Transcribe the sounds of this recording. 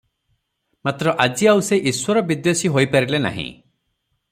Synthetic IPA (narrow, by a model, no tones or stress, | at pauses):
mat̪ɾɔʔad͡ʒiauseʔiswɔɾɔbid̪osiɦojpaɾilena̰ɦḭ̃